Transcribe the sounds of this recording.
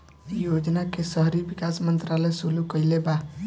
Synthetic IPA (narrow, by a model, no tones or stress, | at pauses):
jod͡ʒnakesəɦɾibikasmənt̪ɾaləjsulukəjleba